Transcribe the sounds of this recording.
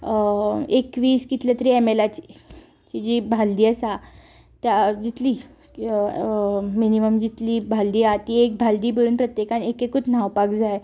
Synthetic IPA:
ekʋiːskit̪let̪ɾiːemelat͡ɕi̥ | t͡ɕid͡ʑiːbʱald̪iːəsa | t̪jad͡ʑit̪liː | miniməmd͡ʑit̪liːbʱald̪iːat̪iek̚bʱald̪iːbəɾuːnpɾət̪jekanekekut͡sn̤aʋpakd͡zaj

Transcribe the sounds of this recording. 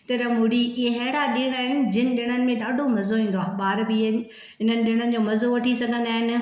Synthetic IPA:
t̪ɐɾɐmʊɽiɦɛːɽaɗɪɽ̃aːɦɪnɪ̆d͡ʑɪnɪ̆ɗɪɽ̃ənɪ̆mẽɗaːɖʱomɐzoĩːn̆d̪aːɓaːɾbiɪnɪ̆ | ɦɪn̤ənɪ̆ɗɪɽ̃ənɪ̆d͡ʑoːmɐzoʋɐʈʰisɐɡʱə̃nd̪aːɦɪnɪ̆

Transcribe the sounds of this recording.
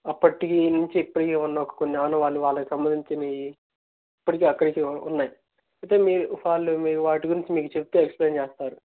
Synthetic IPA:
ɐpːɐʈikinuɲt͡ʃiːpːɐʈikeːunːɐɔkɐ̥konːiaːnɐʋaːɭːuʋaːɭːɐkisɐmbɐnd̪iɲt͡ʃinɐi | ipːɐʈikeːɐkːɐɽikiṵnːaːji | ɐjt̪e̞ːmiːɾuʋaːlːumiːɾuʋaːʈiɡuɾiɲt͡ʃimiːkut͡ʃe̞put̪uekspleːnt͡ʃeːst̪aːɾu

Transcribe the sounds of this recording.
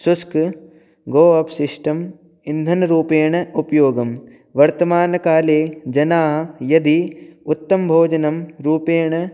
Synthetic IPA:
susk | ɡoːɐpsɪʂʈɐm | ind̪ʱɐnɐɾuːpeːɳɐupjoːɡɐm | ʋɐɾt̪ɐmaːnɐkaːleːd͡ʒɐnaːɦɐjɐd̪iut̪ːɐmbʱoːd͡ʒɐnɐmɾuːpeːɳɐ

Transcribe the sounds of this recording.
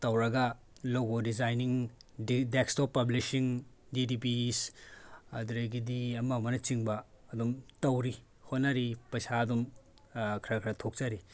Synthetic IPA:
tɐwɾɐɡɐ | loɡodizajniŋ | dekstopːɐblisiŋdidip̬is | ɐduɾɐjɡidiɐmawmɐnɐt͡ʃiŋbɐːdumtɐwɾi | hotnɐɾipɐjsaɐdum | kʰɾɐkʰɾɐtʰok̚t͡ʃɐɾi

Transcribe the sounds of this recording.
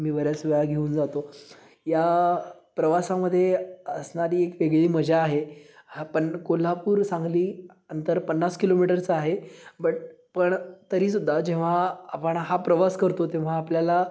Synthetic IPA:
miːʋəɾjat͡sʋəjaɡʱeuːnd͡zat̪o | ja | pɾəʋasaməd̪ʱːjeəsɳaɾiːekʋeɡɭiːməd͡ʑʱaːɦeapəɳkol̤apuːɾsãŋɡliː | ənt̪əɾpənːaskilomiʈəɾt͡saaɦebəʈ̚pəɳt̪əɾiːsud̪ʱːad͡ʑẽʋ̤aapəɳɦapɾəʋaskəɾt̪ot̪ẽʋ̤aːpljala

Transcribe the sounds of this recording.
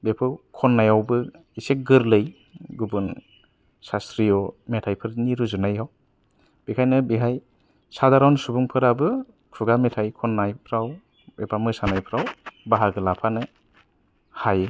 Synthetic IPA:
bepʰɯwkʰɔnːajawbɯ | isek̚ɡɯɾlɯj | ɡubun | sastɾiɔmetʰajpʰɯɾniɾuzunajɦaw | b̥ikʰajnɯbiɦʰaj | sadaɾawnɯsubuŋpʰɯɾabɯ | kʰuɡametʰajkʰɔnːajpʰɾaw | bebamɯsanajpʰɾawbaɦaɡɯlapʰanɯ | haje

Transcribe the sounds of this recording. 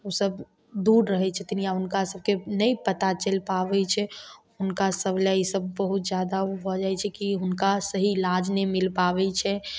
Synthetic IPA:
usəb | d̪uːɾɾəɦɛt͡ʃʰɛt̪inijaʊnkasəb̚kenəipət̪at͡ʃəlpaʋɛt͡ʃʰɛ | ʊnkasəblaisəb̚ːəɦut̪d͡ʒjad̪abɔd͡ʒaɛt͡ʃʰɛkiɦʊnkasəɦilad͡ʒnemɪlpaʋɛt͡ʃʰɛ

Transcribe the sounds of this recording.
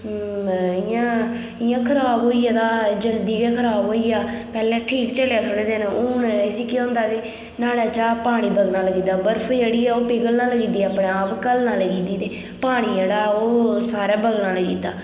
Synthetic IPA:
ɪjãː | ɪjãːkʰəɾaːbɦoːiːaːd̪aːd͡ʒəld̪iːkɛːkʰəɾaːbɦoːiːjaːpɛːlɛ̃ːʈʰiːkt͡ʃəljaːtʰoɽeːd̪eːnʊnsiːkeõːnd̪aːɡeː | naːɽaːt͡ʃaːpaːɽ̃iːbəɡnaːləɡiːd̪aːbəɾpʰːd͡ʒeːɽiːɛːoːpɪɡəlnãːləɡiːd̪iːaːpɽẽaːpkəlnãːləɡiːd̪iːt̪eː | paːɽ̃iːd͡ʒeːɽaːoːsaːɾaːbəɡnãːləɡiːd̪aː

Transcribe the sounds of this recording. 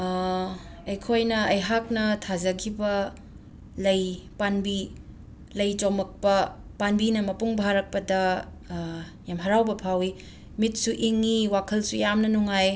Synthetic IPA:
ɐjkʰojnɐɐjɦak̚nɐtʰazɐkʰibɐ | lɐjpanbi | lɐjt͡ʃomɐk̚pɐpanbinɐmɐpuŋbʱaɾɐk̚pɐdɐ | jamɦɐɾawbɐpʰawi | mit̚suʔiŋːiwakʰɐlsujamnɐnuŋaj

